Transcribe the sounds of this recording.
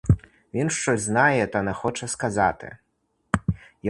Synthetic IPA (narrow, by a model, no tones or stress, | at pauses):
vʲinʂt͡ʂɔzʲznajɛt̪ɔnaxɔt͡ʂɛskazat̪ɨ̰ | j